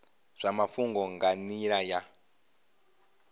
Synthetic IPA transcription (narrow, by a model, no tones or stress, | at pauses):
ʐ̥amafuŋɡɔŋɡaniɺaja